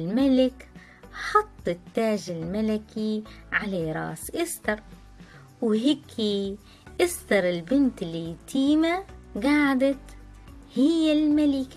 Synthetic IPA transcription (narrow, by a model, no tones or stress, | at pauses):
lmalɪk | ħɑt̪ˤːɪt̪ːaːʒɪlmalakʰiʕalaɾˤɑ̰ːsʔɪst̪ɑɾˤ | wɦɪːkʰːi | ʔɪsd̪ɑɾˤɪlbɪnt̪ɪlːit̪ʰiːmaɡaːʕd̪at̪ | hɪjːalmalɪk